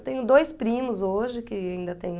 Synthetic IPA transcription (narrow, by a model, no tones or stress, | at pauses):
t̪ẽj̃ʊd̪ojspɾĩmʊzoʒɪkɪaĩnd̪ɐt̪ẽj̃